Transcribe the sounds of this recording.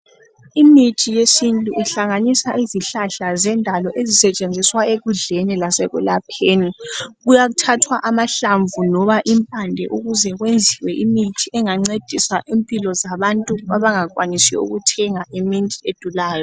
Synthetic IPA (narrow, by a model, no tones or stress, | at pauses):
imitʰijesintʼuʔiɬaŋanisaʔiziɬaɬazɛndʱalɔʔezisɛt͡ʃʼend͡zʱiswaeɣuɮenilasɛ̰ɣṵlapʰeːniɣujaɣutʰatʰwaʔamaɬaɱvunɔβaʔimpʼandʱɛʔuɣuzɛɣwend͡zʱiwɛʔimitʰiʔɛŋaŋ͡ǀed̥ʱisaʔimpʼilɔzaβantʼuaβaŋakʼwanisɛ̰ṵɣutʰɛŋaemintʼied̥ʱulaːjɔ